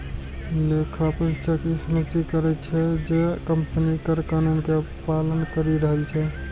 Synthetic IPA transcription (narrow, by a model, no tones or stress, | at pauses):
lekʰapət͡ʃʰəkisəmətikəɾɛt͡ʃʰɛd͡ʒekəmpnikəɾkanunke | palənkəɾiɾəɦəlt͡ʃʰɛ